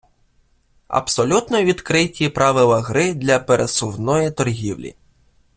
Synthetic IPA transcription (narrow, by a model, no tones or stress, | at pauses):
ɐ̰bsɔlʲut̪nɔʋʲid̪kɾɪtʲipɾɑʋɪlˠɐɦɾɪd̪lʲɐpeɾesʊwnɔjit̪ɔrɦʲiwlʲḭ